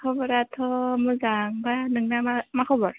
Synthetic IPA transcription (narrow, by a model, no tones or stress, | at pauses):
kʰɔbɔɾat̪ʰɔmɯzaŋbanɯŋnamamakʰɔbɔɾ